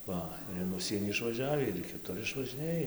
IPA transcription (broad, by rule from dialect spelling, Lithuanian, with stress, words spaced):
ˈʋɐ ɪr ɪn ˈʊʃʲsʲiɛnʲiː ɪʃʋɐˈʒʲæːʋʲiː ɪr iː kʲɪˈtʊr ɪʃʋɐʒʲɪˈnʲeːj